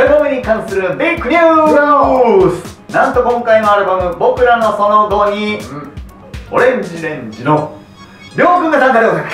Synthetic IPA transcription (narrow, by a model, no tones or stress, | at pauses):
ɾɯbamɯɲ̟ikãɰ̃sɨɾɯ̟bikːɯɲʲuːɾosɨ̥ | nãnt̪o̞kõ̞ŋkainoaɾɯ̟bamɯ̟bo̞kɯ̟ɾano̞so̞noɡ̪o̞ɲiɯ̃ | oɾẽ̞ɲd͡ʑiɾẽ̞ɲd͡ʑino | ɾʲjo̞ːkɯŋɡat̪ãŋɡaɾɯoak